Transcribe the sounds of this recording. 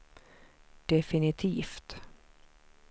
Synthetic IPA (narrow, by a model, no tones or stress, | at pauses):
d̪̥ɛfɪnɪt̪ʰiːft̪